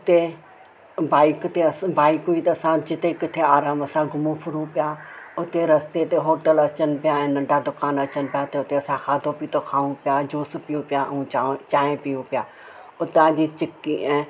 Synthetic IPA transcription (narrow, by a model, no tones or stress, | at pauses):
ʊt̪e | baːɪkt̪eɐbaːɪkũiːt̪ɐɐsãd͡ʑɪt̪ekɪt̪ʰeaːɾaːmɐsãɡʱʊmũfʰʊɾũpɪjaːʊt̪eɾɐst̪et̪eɦoːʈəlɐt͡ʃənɪ̆pɪjaɛ̃ːnɐ̃ɳɖad̪ʊkaːnɐt͡ʃənpɪjaːt̪eʊt̪eɐsãxʰaːd̪ʱõpit̪okʰaːũpɪjad͡ʒoːspijũpjaũat͡ʃaːẽpijũpɪjaː | ʊt̪ãːd͡ʑiːt͡ʃɪkːiɛ̃ː